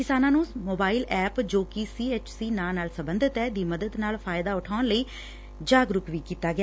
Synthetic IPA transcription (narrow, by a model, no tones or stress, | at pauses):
kɪsaːnãːnũːmoːbaːɪlɛːpd͡ʒoːkisiːeːt͡ʃsiːnaːnaːlsəmbənd̪ʱət̪ɛːd̪iːməd̪əd̪naːlfʰaːɪd̪aːʊʈʰaːnləiː | d͡ʒaːɡɾʊkʋiːkiːt̪aːɡɪaː